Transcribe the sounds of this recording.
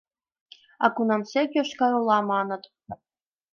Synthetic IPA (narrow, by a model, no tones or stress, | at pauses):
ɑ̰kunɑmsekʲjoʃkɑɾulˠɑmɑnɤ̆t̪